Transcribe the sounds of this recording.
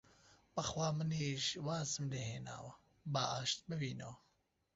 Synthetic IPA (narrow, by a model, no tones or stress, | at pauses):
b̥ɐxwaːmɨniːʃwaːzɨmleːheːna̰ːwɐ | baːʔaːʃt̪̚bɨbiːnɐwɐ